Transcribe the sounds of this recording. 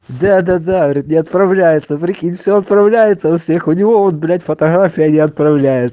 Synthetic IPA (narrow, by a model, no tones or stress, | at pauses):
d̪ad̪ad̪aɾʲɪt̪nʲɪɐt̪pɾɐvlʲæjɪt̪səpɾʲɪkʲinʲfʲsʲoɐt̪pɾɐvlʲæjɪt̪sənɐfsʲe̞xʊnʲɪvo̞onblʲætʲfət̪ɐɣɾafʲɪjənʲɪɐt̪̚pɾɐvlʲæjɪt̪s